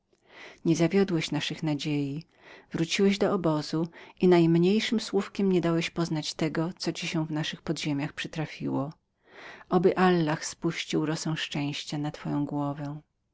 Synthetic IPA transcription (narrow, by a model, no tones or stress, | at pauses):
ɲɛzavʲjɔd̪wɛɕnaʂɘxnad͡ʑeji | vɾut͡ɕiwɛʑd̪ɔɔbɔzuʔinajmɲejʂɘmswufkʲɛmɲɛd̪awɛɕpɔznat͡ɕt̪ɛɡɔt̪sɔt͡ɕiɕɛ̃vnaʂɘxpɔd̪ʑemʲjaxpʂɨt̪ɾafʲḭwɔ | ʔɔbɘʔalːaxspuɕt͡ɕiwɾɔsɛ̃w̃ʂt͡ʂɛ̃w̃ɕt͡ɕanat̪fɔjɔ̃w̃ɡwɔvɛ